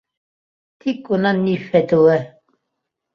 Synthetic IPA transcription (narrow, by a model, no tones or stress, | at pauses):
t̪ʰikʼunanifɛt̪uɛ